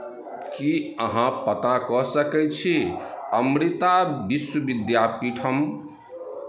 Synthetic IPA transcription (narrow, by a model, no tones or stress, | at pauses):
kiəɦãpət̪akɔsəkɛt͡ʃʰiəmɾit̪abiswəbid̪japiʈʰəm